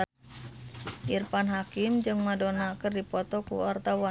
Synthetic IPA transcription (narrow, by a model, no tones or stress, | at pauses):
irpanɦakimd͡ʒɨŋmadonakərdipɔt̪ɔkṵart̪awa